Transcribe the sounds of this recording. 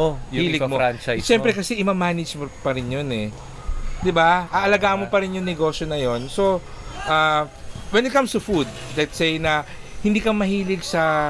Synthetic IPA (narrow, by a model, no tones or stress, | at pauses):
ojhiːlɪmoant͡ʃajʃɛmpɾɛkɐsɛʔɪmamːaːnɪd͡ʒmopɐɾɪnjonɛ | d̪ɪbaʔɐʔɐlɐɡaːʔɐmopɐɾɪnjʊŋnɛɡo̞ːʃonɐjo̞nso̞ʔaːwɛnɪt̪̚kɐmst̪ʊfud̪̚lɐt̪sɛjnɐhɪnd̪iːkɐmɐɦiːlɪɡsɐ